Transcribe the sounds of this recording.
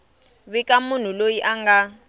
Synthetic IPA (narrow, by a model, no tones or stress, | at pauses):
βikʼamun̤ulojiʔaŋɡa